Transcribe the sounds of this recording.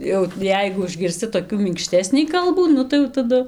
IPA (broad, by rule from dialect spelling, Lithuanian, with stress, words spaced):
jɛʊ ˈjɛɪɡʊ ʊʒʲɡʲɪrʲsʲˈt͡sʲɪ toːˈkʲuː mʲɪŋkˈʃʲtʲæːsʲnʲiː ˈkɐlˠbuː ˈnʊ tɐɪ jɛʊ tɐˈdʊ